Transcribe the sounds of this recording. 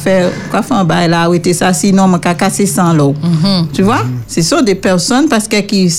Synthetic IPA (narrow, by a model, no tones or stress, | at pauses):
fɛ̃kwafɛãbajlaːwet̪esasinɔ̃mɛ̃kakasesãlɔt̪yvwasɛsɔ̃d̪epɛʁsɔnpaʁsə̥kɛki